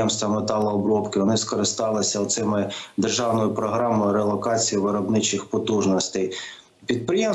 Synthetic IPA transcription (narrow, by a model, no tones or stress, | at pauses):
ɛmst̪ʋɐmet̪ɑlˠɐːbɾɔpkɪʋɔnɪskɔɾɪst̪ɑlˠɪsʲɐɔt̪sɪmɪd̪erʒɑwnɔjʊpɾɔɦɾɑmɔjʊɾelˠɔkɑt͡sʲijiʋɪɾɔbnɪt͡ʃɪxpɔt̪uʒnɔsʲt̪ɛj | pʲid̪̚pɾɪjɛm